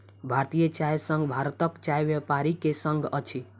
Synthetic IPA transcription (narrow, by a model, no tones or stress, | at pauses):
bʱaɾt̪ijʌt͡ʃajsʌŋɡbʱaɾt̪ʌkt͡ʃajbjepaɾikesʌŋɡʌt͡ʃʰi